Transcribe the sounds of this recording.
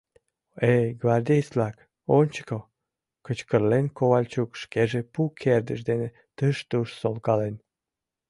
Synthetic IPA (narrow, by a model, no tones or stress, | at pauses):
ejɡvɑrd̪ejslɑk | onʲt͡ɕə̥kow | kət͡ɕkərlenkoβɑlʲt͡ɕukʃkeʒepukʰerd̪əʃd̪ene | t̪əʃt̪uʃsolkɑlen